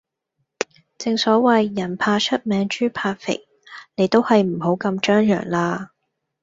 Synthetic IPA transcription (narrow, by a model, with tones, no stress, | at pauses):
t͡sɪ˨ŋsɔː˨˥wɐ˨jːɐ˨˩npʰaː˧t͡ʃʰɵ˥t̚mɛː˨˥ŋt͡ʃyː˥pʰaː˧t̚fɪ̰˨˩k̚ | ne˨˧jt̪o˥whɐ˨jm̩˨˩ho˨˥wkɐ˧mt͡ʃœː˥ŋjœ̰ː˨˩ŋlaː˧